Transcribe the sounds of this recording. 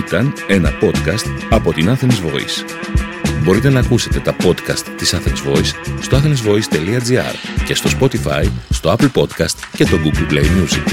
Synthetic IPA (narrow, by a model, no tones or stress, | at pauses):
it̪ɐne̞nɐpo̞t̪kɐst̪ɐpo̞t̪inɐθenizvo̞̰ḭs | bo̞ɾit̪e̞nɐːkuse̞t̪e̞t̪ɐpo̞t̪kɐst̪ːisɐθenizvo̞isːt̪oɐθenizvo̞ist̪e̞liɐd͡ziɐ̰ɾce̞st̪o̞spo̞t̪ifɐ̰jst̪o̞ɐpl̩po̞t̪kɐst̪cet̪o̞ɡuɡlplejmjuzḭk